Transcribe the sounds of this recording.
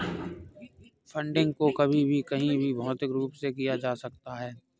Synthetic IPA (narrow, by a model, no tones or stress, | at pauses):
fʰɐ̃ɳɖɪ̃ŋɡkokɐbʱibʱikɐɦĩbʱibʱɐɦʊt̪ɪkɾuːpsekijad͡ʒaːsɐk̚t̪aɦɛː